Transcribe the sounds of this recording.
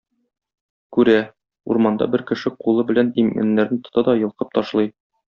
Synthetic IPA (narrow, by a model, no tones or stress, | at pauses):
kʉɾæ | uɾmɑnd̪ɑ̰bɘɾkɘ̆ʃɘqulˠɤbɘ̆lænimæ̰nːæɾnɘt̪ŏ̥t̪ɑd̪ɒjɤ̆lˠqɤp̚t̪ɒʃlˠɤj